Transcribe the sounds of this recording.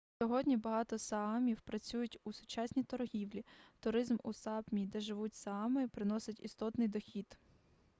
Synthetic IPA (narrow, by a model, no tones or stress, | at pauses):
sʲɔɦɔdʲnʲibɐɦɑt̪ɔsɑɑmʲiwpɾɐt͡sʲujʊtʲusʊ̥t͡ʃɑsʲnʲit̪ɔrɦʲiwlʲit̪ʊɾɪzmusɑpmʲid̪ɛʒɪʋutʲsɐɑmɪpɾɪnɔsɪtʲist̪ɔt̪nɪjd̪ɔxʲid̪